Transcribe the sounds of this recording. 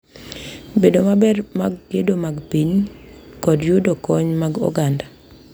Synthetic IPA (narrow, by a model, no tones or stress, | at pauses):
bedomabɛrmaɡːedomaɡpiɲkɔdjudokɔɲmaɡɔ̰ɡanda